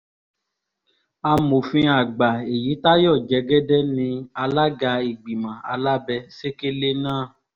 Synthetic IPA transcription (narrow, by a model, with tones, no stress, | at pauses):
a˧mo˨fĩ˧˦a˨ɡ͡ba˨e˨ji˨˦ta˦jɔ˦˨d͡ʒɛ˨˦ɡɛ˦dɛ˦nĩ˧a˧la˦ɡa˧i˨ɡ͡bi˨mã˨a̰˧la˦bɛ˧se˦ke˦le˦nãː˦˨